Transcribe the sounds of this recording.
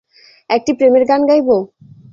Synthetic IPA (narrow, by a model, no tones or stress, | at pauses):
ɛk̚ʈipɾemeɾɡanɡajbo